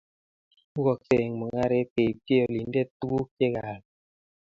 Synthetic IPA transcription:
u˦ɡɔ˨se˨ŋmu˨ŋa˦ɾe˦pe˨pe˦o˨li˨˦n˦de˦tu˦ɡu˦ke˦ɣa˨l

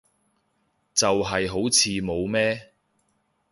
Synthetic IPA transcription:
t͡sɐ˨wɦɐ˨jɦo˨˥wt͡sʰiː˨˧mo˨˧wmɛː˥

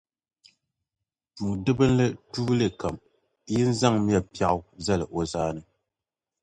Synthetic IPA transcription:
tu˨dɨ˦bɨ˦n˦lɨ˦tuː˦lɨ˨ka˨m | jɪ˦n̩˦za˦ŋmjɛ˦pi˦a˦ʔza˦lɨ˨ʔo˨zaː˦nɨ˦

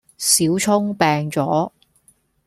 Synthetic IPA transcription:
siː˨˥wt͡sʰʊ˥ŋpɛː˧ŋt͡sɔː˨˥

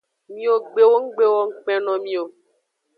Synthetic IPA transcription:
mĩ˦o˦ɡ͡be˨wo˦ŋ̩˦ɡ͡be˦wɔ˦ŋ̩˦k͡pɛ˦nɔ̃˨mĩ˦o˨

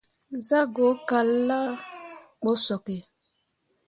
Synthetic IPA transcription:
za˦ɡo˨˦ka˨lːa˦ | k͡po˦sɔ˨kɛ˨

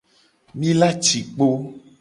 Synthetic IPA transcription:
mĩ˦la˦t͡ʃi˨k͡po˦

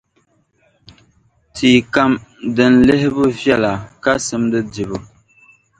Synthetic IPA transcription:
tʰiː˨ka˦mdɨ˨n̩˨˦lɨ˦ɦɪ˦bu˦vjɛ˦la˨ka˦sɨ˦mdɨ˦di˨bɨ˦˨

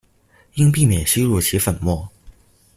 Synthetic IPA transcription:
i˥ŋp̬i˥˩mjɛ˨˩nɕi˥lu˥˩t͡ɕʰi˧˥fə˨˩nmwɔ˥˩

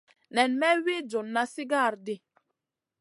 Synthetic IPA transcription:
nɛ˨nmɛ˦wi˦d͡ʒo˨nːa˦si˦ɡa˦˨ɾdi˦

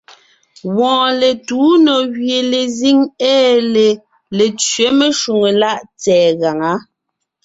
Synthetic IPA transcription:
wɔ̃ː˨le˨tuː˨˦nɔ˨ɣɥje˨le˨zi˦ŋɛː˦le˨ | le˨t͡ʃɥe˨˦me˦ʃu˨ŋe˨la˦ʔt͡sɛː˨ɣa˨ŋa˨˦

